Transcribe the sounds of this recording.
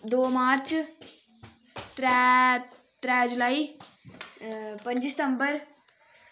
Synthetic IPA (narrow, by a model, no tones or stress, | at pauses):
d̪oːmaːɾt͡ʃʰ | t̪ɾ | t̪ɾad͡ʒulai | pənd͡ʒist̪əmbəɾ